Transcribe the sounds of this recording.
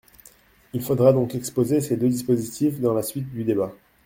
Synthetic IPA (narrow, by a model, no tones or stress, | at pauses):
ilfod̪ʁad̪ɔ̃kɛkspozesed̪ød̪ispozit̪ʰifd̪ɑ̃lasɥit̪̚d̪yd̪eba